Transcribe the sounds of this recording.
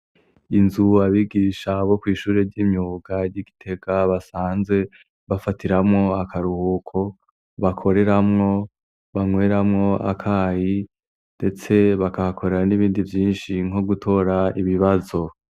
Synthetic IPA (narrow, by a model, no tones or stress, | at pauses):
inzuaβiːɡiːʃaβo̞kwiːʃuːɾe̞ɾɟiːmɲuɡaɾɟiɡi̥tʰe̞ɡaβasaːnze̞ | βafatiɾamŋo̞akʰaɾuhuːkʰo̞ | βakʰo̞ɾe̞ɾamŋo̞ | βaŋweːɾamŋo̞a̰kʰaːji | nde̞t͡se̞βakahakʰo̞ɾeɾaniβiːndivjiːnʃiŋ̥o̞ɡutʰo̞ːɾaiβiβazo̞